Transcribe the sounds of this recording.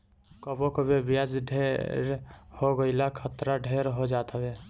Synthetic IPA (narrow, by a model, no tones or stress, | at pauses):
kəbõkəbʱebijad͡ʒɖʱeɾhoɡəɪlakʰət̪ɾaɖʱeɾɦod͡ʒat̪əbe